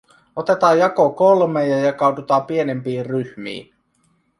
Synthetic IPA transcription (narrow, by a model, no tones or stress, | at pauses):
ot̪e̞t̪ɑːjjɑkokolmejɑjɑkɑudut̪ɑːpiene̞mpiːrryhmḭːn